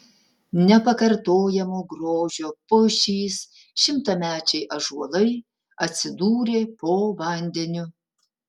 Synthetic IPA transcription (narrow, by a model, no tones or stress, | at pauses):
nʲɛpɐkɐɾt̪oːjɛmoːɡɾoːʒʲoːpʊʃʲiːs | ʃʲɪmt̪ɐmʲæːt͡ʃʲɛɪʔɐʒuɔlˠɐɪ | ɐt̪ʲsʲɪd̪uːɾʲeːpoːʋɐnʲd̪ʲɛnʲʊ